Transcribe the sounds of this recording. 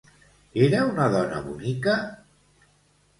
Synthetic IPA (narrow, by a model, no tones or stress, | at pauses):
eɾəunaðɔnə̰βunikə